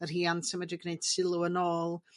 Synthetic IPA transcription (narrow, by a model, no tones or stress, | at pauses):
ərɦiːansəmədɪɡnejd̥sɪlˠʊənoːlˠ